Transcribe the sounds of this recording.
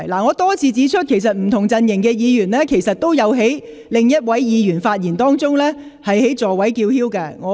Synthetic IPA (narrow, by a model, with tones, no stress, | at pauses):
laː˨˩ŋɔː˨˧t̪ɔː˥t͡sʰiː˧t͡siː˨˥t͡ʃʰɵ˥t̚kʰe˨˩js̬ɐ˨t̚m̩˨˩t̪ʰʊ˨˩ŋt͡sɐ˧njɪ˨˩ŋkɛː˧jiː˨˧jyː˨˩nlɛː˥kʰe˨˩jsɐ˨t̚t̪o˥wjɐ˨˧wɦe˨˥j | lɪ˨ŋjɐ˥t̚wɐ˨˥jjiː˨˧ɥyː˨˩nfaː˧t̚jiː˨˩nt̪ɔː˥ŋt͡sʊ˥ŋlɛː˥ | hɐ˨jhe˨˥jt͡sɔː˨˩wɐ˨˥jkiː˧whiː˥wkɐː˧ŋɔː˨˧